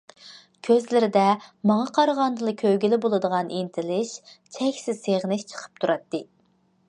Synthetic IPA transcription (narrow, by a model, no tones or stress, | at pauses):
kʲʰøzlɪɾɪd̪ɛmɑŋɑqʰɑɾʁɑnd̪ɨlˠɨkʲʰøwɡʲilɪbolˠɨd̪əʁɑnʔint̪ʰɪlɪʃt͡ʃʰɛkʲsɪzseʁnɪʃt͡ʃʰə̥qʰə̥p̚t̪ʰuɾɑt̪ːɨ